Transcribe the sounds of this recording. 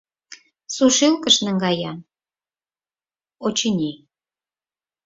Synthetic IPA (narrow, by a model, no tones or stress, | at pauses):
suʃilkəʃnə̆ŋɡɑjɑ | ot͡ɕənʲi